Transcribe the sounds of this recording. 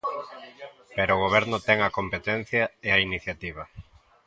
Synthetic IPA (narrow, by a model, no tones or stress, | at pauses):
peɾoːɣ̞oβ̞ɛɾnʊt̪ɛŋɐkompet̪ɛn̟θjɐeɐiniθjat̪iβ̞ɐ